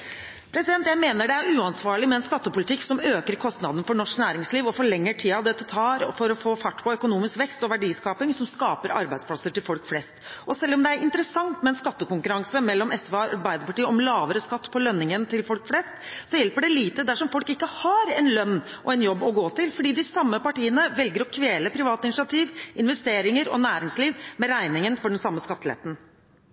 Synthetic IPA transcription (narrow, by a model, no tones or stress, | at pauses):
pʰɾɛsɪd̪ɛnt̪jæɪmeːnəɖɛæɾʉːɑnsʋɑːɭɪmɛɛnskɑt̪ːəpʊlɪt̪ʰɪksɔmøːkəɾkʰɔst̪nɑd̪n̩fɔɳɔʂknæːɾɪŋsliːʋɔfɔɭɛŋːəʈʰiːɑʋd̪ɛt̪ːɛt̪ʰɑːɾfɔɾɔfoːfæʈːpʰɔœkʊnuːmɪskʋɛkst̪ɔʋæɖiːskɑːpɪŋsɔmskɑːpəɾɑ̰ɾbæɪd̪splɑsəʈɪlfɔlkflɛst̪ʔɔsɛlːɔmd̪ɛæɾɪnt̪əɾəsɑŋt̪mɛɛnskɑt̪ːəkʊŋkʉɾɑŋsəmɛlːɔmɛsʋbɑɪd̪əpɑʈiːəɔmlɑːʋəɾəskɑt̪ːpʰɔlœnːɪŋənt̪ʰɪlfɔlkflɛst̪sɔjɛlpəɖɛliːt̪əd̪æʂɔmfɔlkɪkːəhɑɾɛnlœnːʔɔɛnjɔbːɔɡoːt̪ɪlfɔɖiːd̪ɪsɑmːəpɑʈiːənəʋɛlɡəɾɔkʰʋeːləpʰɾɪʋɑːt̪ɪnɪʂɪɑt̪ʰiːʋʔɪnʋɛst̪eːɾɪŋəɾɔ̰næːɾɪŋsliːʋmɛɾæɪnɪŋənfɔɖɛnsɑmːəskɑt̪ːlḛːt̪n̩